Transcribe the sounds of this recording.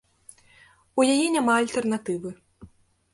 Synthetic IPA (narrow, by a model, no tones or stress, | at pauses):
ujajɛnʲamaːlʲt̪ɛrnat̪ɨvɨ